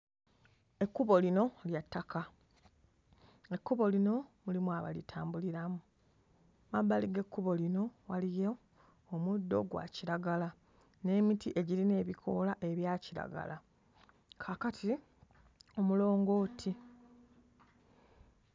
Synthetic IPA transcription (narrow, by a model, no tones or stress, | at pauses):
e̞kːuβo̞lino̞ljatːaka | e̞kːuβo̞lino̞mulimwaβa̰litʰaːmbuliɾamu | mabːaliɡe̞kːuβo̞lino̞walije | omudːo̞̰ɡwa̰ciɾaɡala | ne̞ːmitiʔe̞ɟiline̞ːβikʰo̞ːlaʔe̞βjaːciɾa̰ɡa̰la | kʰaːkatʰi | o̞mulo̞ːŋɡo̞ːtʰi